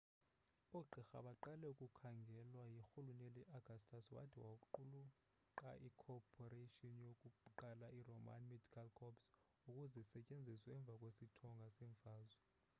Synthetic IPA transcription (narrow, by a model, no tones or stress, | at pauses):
oɡ͡ǃʱixa̰ɓaǃalɛukʼukʰaŋɡʱɛlwajixulunɛlɛʔaɡ̥ʱastʰʼaswa̰tʰiwaǃulu | ǃaʔikʰɔpʰʼɔreʃʼiɔnjokʼuǃalairoma̰nmedʱikʰalkʰɔps | ukʼuzɛsɛcʼend͡zʱiswɛɛɱb̪vʱakʼwesitʰɔŋɡʱasɛːɱfaːzwɛ